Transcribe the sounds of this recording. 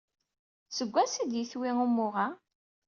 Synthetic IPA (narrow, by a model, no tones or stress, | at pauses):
səɡʷːæsid̪jiθwiŋumːʊʁa